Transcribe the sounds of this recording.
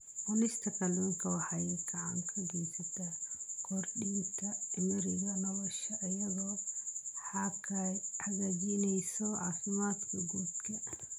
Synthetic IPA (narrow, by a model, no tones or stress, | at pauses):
ħɔnɪst̪ʰɐkʰɐluːŋkʰɐwɑħɑjɛɡɐʕɑ̰ŋkʰɐɡɛjsɐt̪ʰɐkʰɔrɖiːnt̪ʰɐɪmɪɾɪɣɐnɐβɐʃɐʔːjɐðɔːħɑkʰahɐɣaːd͡ʒinɛjsɔʔɑːsɪmaːd̪kʰɐɡuːd̪kʰɐ